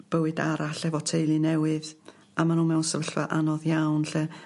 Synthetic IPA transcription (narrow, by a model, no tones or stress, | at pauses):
b̥əwɨdaɾaɬɛvɔtʰejlˠinɛwɨð | amanuːmɛwnsəvəɬvaʔanɔðjawnɬə